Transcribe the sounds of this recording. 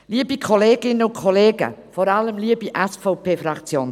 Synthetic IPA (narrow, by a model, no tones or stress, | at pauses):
liːəbikʰɔleːɡ̥ɪnəʊnkʰɔleːɡə̰fɔɾɑləmliːəbiʔɛsfɔʊpʰeːfɾɑkt͡sjoːn